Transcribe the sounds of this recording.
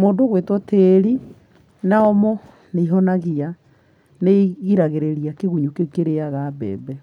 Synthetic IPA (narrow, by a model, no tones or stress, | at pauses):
moːdoɣwetwɔteɾi | naɔmɔ | neiɦɔnaɣia | neɣiɾaɣeɾeɾiakeɣuɲukekeɾeaɣabɛ̰ːbɛ